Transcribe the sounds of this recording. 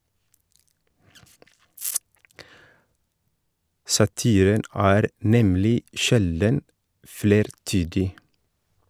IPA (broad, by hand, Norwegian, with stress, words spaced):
sɑˈtiːɾən ˈæːɾ ˈnɛmlɪ ˈʃɛldən ˈfɽeːɾˌtyːdɪ